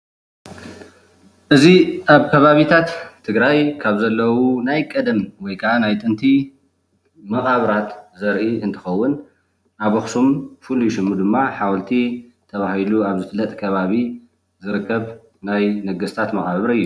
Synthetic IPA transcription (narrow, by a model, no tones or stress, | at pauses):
ʔɨziʔaβkʰɐβaβit̪ʰat̪ʰː | ɨɡɾajkʰaβzɐlːɐwunajkʼɐd̪ɐmwɔjkʰɐʔanajt̪ʼɨnt̪ʰi | mɐχʼaβɾat̪zɐɾʔiɨnt̪ʰɨ̥xɐwːʊn | ʔaβoxsumfɨlujʃɨmːud̪ɨmːaħawlt̪ʰit̪ʰɐβahiluaβzɨflɐt̪ʼkʰɐβaβi | zɨɾɨkʰːɐβ | najnɐɡɐst̪ʰat̪mɐχʼaβɾɨjːu